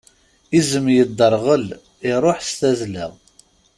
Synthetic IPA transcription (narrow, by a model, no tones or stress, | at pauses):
izəmjəd̪ːəɾˤʁəl | ɪɾˤoħst̪æzlə̰ʁ